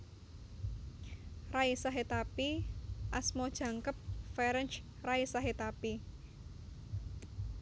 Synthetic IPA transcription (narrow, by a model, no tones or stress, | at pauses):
raisaɦet̪apiʔasmod̥ʒ̥ä̤ŋkəp̚fɛɾənt͡ʃ | raisaɦet̪api